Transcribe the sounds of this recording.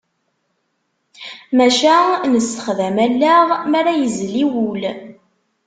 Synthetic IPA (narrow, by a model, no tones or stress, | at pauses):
mæʃænəsːə̥χðæmælːæʁmæɾæjəzliwul